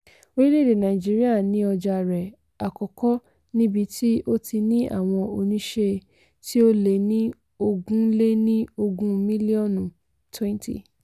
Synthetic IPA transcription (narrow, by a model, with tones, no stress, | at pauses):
o˦ɾi˦le˦˨de˨nã˨i˨d͡ʒi˦ɾi˦a˦˨nĩ˨˦ɔ˧d͡ʒa˧ɾɛ˨ | a˨kɔ˨kɔ˦ | nĩ˦bi˧ti˦o˦tʰi˧nĩ˦ʔa̰˦˨w̃ɔ̃˧o˧nĩ˦ʃe˧ | ti˦o˦le˨nĩ˦ | o˧ɡũ˦le˦nĩ˦o˧ɡũ˦mĩ˦li˦ɔ˦˨nũ˨ | tʰwɛ̃˦n˦tḭ˦˨